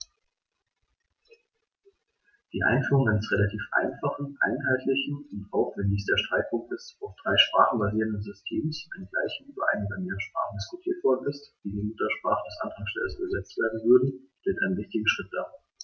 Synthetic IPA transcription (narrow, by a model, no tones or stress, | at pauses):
d̥iːʔa̰ɪnfyːʁʊŋaɪnəsʁelatʰiːfʔa̰ɪnfaχn̩ʔa̰ɪnɦaltlɪçn̩ʊntʔaʊfv̥ɛndɪçsd̥eːɐʃtʁ̥aɪk̚pʰʊŋktɪstaʊfd̥ʁaɪʃpʁ̥a̰ːχn̩baziːʁəndənzʏstʰeːmsʔaɪnəɡla̰ɪçn̩ʔyːbɐ̰ʔa̰ɪnəbɐnmeːəʃpʁ̥a̰ːχn̩dɪskʊtʰiːɐtv̥ɔɐdn̩ɪstv̥iːdiːmʊtɐʃpʁ̥aːχədɛsʔa̰ntʰaŋsʃtɛ̰ləsy̰ːbɐzɛt͡stv̥eːɐdn̩vʏɐdn̩ʃteːtʔaɪnənvɪçtɪɡŋ̩ʃʁ̥ɪt̚d̥aː